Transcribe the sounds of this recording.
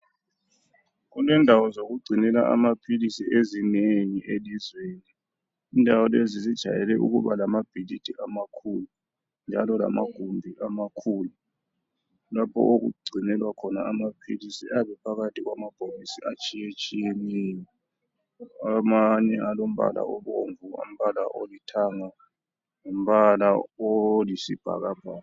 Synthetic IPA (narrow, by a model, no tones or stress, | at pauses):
k̬ulɛndʱawɔzokuɡ͡ǀʱinɛla̰ʔa̰mapʰilisiʔezineŋiʔelizweːniː | ndʱawɔlezizid̥ʒ̥ʱa̰jɛlɛʔṵɣ̬ṵβalamab̥ʱilid̥ʱʼiʔamakʰulu | nd͡ʒʱa̰lɔla̰maɡ̥ʱumbʱiʔamakʰuːlu | lapʰɔ̰ʔok̬ṵɡ͡ǀʱinɛlwakʰɔnaːmapʰilisḭʔaɓɛpʰaɣatʰʼiɣwamab̥ʱomisiʔat͡ʃʼijet͡ʃʼijenijɔ | amaɲɛalom̩ɓa̰la̰ʔɔɓoɱvua̰m̩ɓala̰ʔo̰litʰaːŋa | om̩ɓalaolisib̥ʱa̰ɣab̥ʱaː